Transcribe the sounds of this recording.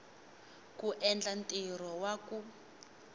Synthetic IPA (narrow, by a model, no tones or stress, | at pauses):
kuʔɛnd͡ɮantʼiɾɔwaku